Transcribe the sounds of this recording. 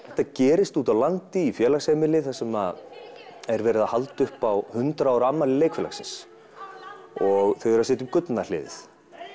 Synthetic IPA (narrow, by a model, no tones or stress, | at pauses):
θɛht̪ːacɛːɾɪst̪uːt̪aðlant̪ɪifjɛːlaxseːmɪlɪθasɛmað | ɛɾvɛːɾɪðahalt̪ʏhpawhʏnt̪ɾaawɾamːalɪleːjkfɛla̰ksɪns | ɔɣθœɥɛɾasɪːt̪ʏmkʏt̪nalɪ̰ːðɪ̰θ